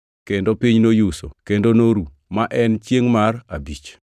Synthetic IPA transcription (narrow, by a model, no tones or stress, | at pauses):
kendopiɲnojuso̰kendonoɾu | maʔɛnt͡ʃjeŋmarabit͡ʃ